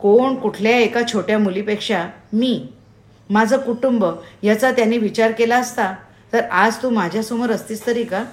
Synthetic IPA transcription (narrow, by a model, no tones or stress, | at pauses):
koɳkuʈʰljaekat͡ɕʰoʈjamulipekʂamiː | mad͡zʱəkuʈumbəjat͡sat̪janːiːʋit͡ɕaɾkelaəst̪a | t̪əɾad͡zt̪uːmad͡ʑʱjasuməɾəst̪iːst̪əɾiːka